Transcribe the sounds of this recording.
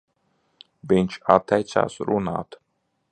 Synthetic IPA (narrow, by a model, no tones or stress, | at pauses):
viɲʲt͡ʃat̪ːɛjt̪sa̰ːsɾuna̰ːt̪